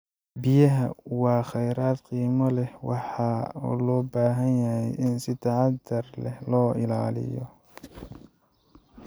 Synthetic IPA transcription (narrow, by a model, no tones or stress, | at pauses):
bɪjɐɦɐwɑːχɛjɾaːd̪qiːmɐlɛhwɑħɑːɔ̰ːlɔːbaːɦɐnjɐhɛjʔɪnsɪt̪ʰɑʕɑd̪ɐrlɛhlɔːɪlaːlɪ̰jɔ̰